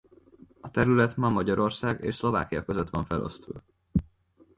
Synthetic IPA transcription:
ɒt̪ɛɾylɛt̪mɒmɒɟɒɾo̞rsaːɡḛːʃslo̞va̰ːkijɒkø̞zøt̪ʋɒɱfɛlʔo̞̰st̪ṵː

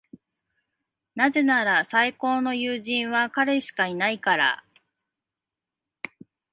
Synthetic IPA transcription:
naze̞naɾasaiko̞ːno̞jɯːʑĩɰ̃βakaɾe̞ɕi̥kainaikaɾa̰

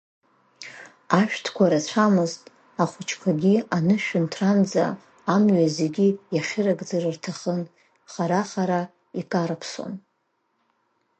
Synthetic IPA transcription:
aʃᶣtʰkʷʰaɾat͡ɕʷʰamɨztʼ | aχʷʊt͡ʃʰkʷʰaɡʲianɨʃᶣʊntʰrand͡za̰ː | mɥazeɡʲijaχʲɪrakʼd͡zarɨrtʰaχən | χaɾaχaɾa | ikʼaɾɨpʰso̰n

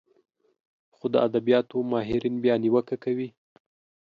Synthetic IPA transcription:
xod̪əad̪abijɑt̪omɑɦɪɾinbjɑniwəkakawi

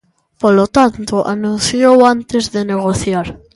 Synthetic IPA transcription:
polot̪ant̪oʔa̰nũnθjowant̪ezðeneɣ̞oθjaɾ

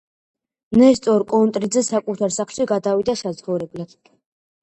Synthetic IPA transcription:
nɛst̪ʼɔɾkʼɔnt̪ʼɾid̪zɛsakʼut̪ʰaɾsaχlˠʃiɡad̪avid̪asat̪sχɔvɾɛblad̪̥

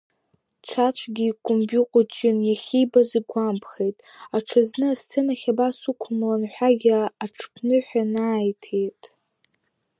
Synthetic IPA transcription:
t͡ʃʷʰat͡ɕʷʰɡʲiːkʼombʲjuqʷʼʊt͡ʃʼɪnjaχʲibazɨɡʷampʰχe̞jtʼ | aʈ͡ʂʰaznɨast͡sʰɨnaχʲabasukʷʰʊmlanħʷᶣaɡʲɪaʈ͡ʂʰpʰnɨħʷᶣanaːjtʰejtʼ

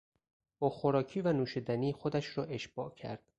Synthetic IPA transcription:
oːxoɾɒːcʰiːvænuːʃid̪æniːxod̪æʃɾɒːʔe̞ʃb̥ɒːʔcʰæ̰ɾd̪̥̚

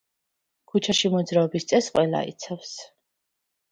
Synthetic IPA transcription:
kʰut͡ʃʰaʃimɔd̪zɾaɔbist̪sʼɛsqʼwɛla̰ḭt̪sʰafs

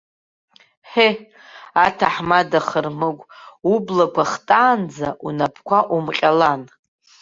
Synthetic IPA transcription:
ħe | atʰaħmadaχərmɨɡʷʼublakʷʰaχtʼaːnd͡zaʔunapʰkʷaʔumqʲʼalan

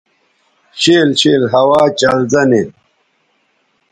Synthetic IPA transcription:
ɕeːlɕiːlɦɐwaːt͡ɕɐlzɐnin

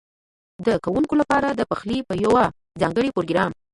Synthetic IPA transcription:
d̪əkawuŋkolapɑɾad̪əpaxlipəjawa | d͡zɑŋɡəɽipoɾoɡɾɑm

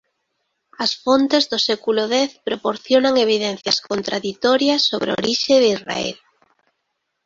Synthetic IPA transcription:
ɐsfont̪ezðosɛkuloðɛθpɾopoɾθjonaŋeβ̞iðɛn̟θjɐskont̪ɾaðit̪ɔɾjɐsːoβɾo̰ɾiʃeðizra̰ɛ̰l

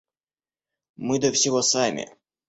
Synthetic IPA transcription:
mɨd̪əfsʲɪvosamʲɪ̰

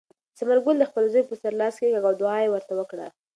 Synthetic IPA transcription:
samaɾɡʊnd̪əxpəlzəjpəsaɾlɑskeɡaɡawd̪ʊɑjewəɾt̪awəkɽa

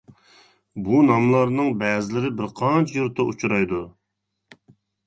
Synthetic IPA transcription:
bunɑmlˠɑɾnɨŋbɛːzɪlɪɾɪbɪɾqʰɑnt͡ʃʰɛjuɾt̪ːɑʔut͡ʃʰuɾɑjd̪u

